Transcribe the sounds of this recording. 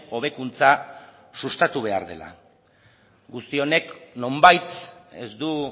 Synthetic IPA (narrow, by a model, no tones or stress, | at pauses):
o̞β̞e̞kunt͡sa | sust̪at̪uβ̞e̞a̰ɾðe̞la̰ | ɡust̪io̞ne̞kno̞mbajt̪e̞̰zd̪u